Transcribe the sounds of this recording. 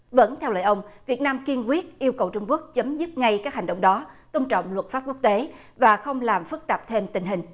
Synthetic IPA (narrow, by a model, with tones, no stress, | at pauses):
və̰˧˥nt̪ʰɛ˧wlə̰ː˧˨jʔə˧wŋ͡mvi˨˩ət̚naː˧mki˧ənkwi˦˥ət̚ʔi˧əwkə˨˩wt͡ɕʊ˧ŋ͡mku˦˥ək̚t͡ɕə˨˦mzɨ˦˥t̚ŋa˧jkaː˦˥k̚ɦa˨˩ŋ̟ɗə̰˧˨wŋ͡mɗɔ˨˦t̪ə˧ŋ͡mt͡ɕwŋ͡mlwə˨˩t̚faː˦˥p̚ku˦˥ək̚t̪e˨˦ | vaː˨˩xə˧wŋ͡mlaː˨˩mfɨ˦˥k̚t̪aː˨˩p̚t̪ʰe˧mt̪ï˨˩ŋ̟ɦï˨˩ŋ̟